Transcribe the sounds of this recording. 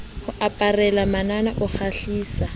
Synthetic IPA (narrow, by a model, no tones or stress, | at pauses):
hʊʔapʼarɛlamananaʔʊk͡xʰaɬiːsa